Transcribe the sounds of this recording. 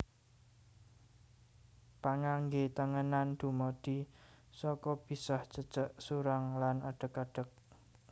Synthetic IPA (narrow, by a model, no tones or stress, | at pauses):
paŋaŋɡet̪əŋənand̪̥ṳmod̪̥isɔkɔb̥i̤sɔht͡ʃət͡ʃəʔsuɾaŋlanaɖ̥ə̤kaɖ̥ə̤k̚